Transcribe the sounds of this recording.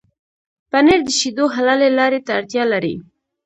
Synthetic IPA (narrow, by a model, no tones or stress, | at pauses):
paneɾd̪əʃid̪oɦalalelɑɾet̪aːɾt̪jɑlaɾḭ